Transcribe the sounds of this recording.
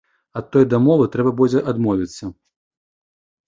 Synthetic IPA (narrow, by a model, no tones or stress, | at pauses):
ɐt̪ːɔjd̪ɐmɔvɨt̪ɾɛbɐbɔd͡zʲɛʔad̪mɔvʲit̪sːɐ